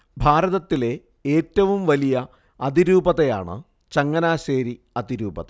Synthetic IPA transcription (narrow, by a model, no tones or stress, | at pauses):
bʱaːɾɐðɐt̪ːile̞ | eːtːɐʋumʋɐlijɐ | ɐd̪iɾuːbɐðeja̰ːɳɨ̰ | t͡ɕɐŋːɐnaːɕeːɾi | ɐd̪iɾuːbɐðɐ